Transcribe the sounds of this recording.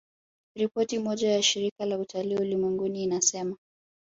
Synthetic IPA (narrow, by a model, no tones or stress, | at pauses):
ɾipɔtimɔʄajaʃiɾikalautaliulimwɛŋɡuniːnasɛma